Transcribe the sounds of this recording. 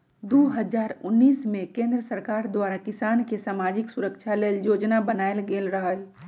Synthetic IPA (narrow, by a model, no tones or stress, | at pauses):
d̪oɦəd͡ʒaːɾʊnːiːsmẽkẽːnd̪ɾəsəɾkaːɾd̪waːɾakɪsaːnkesaːmad͡ʒɪksʊɾəkt͡ʃʰaleːljoːd͡ʒnabənaːelɡeːlɾəɦəl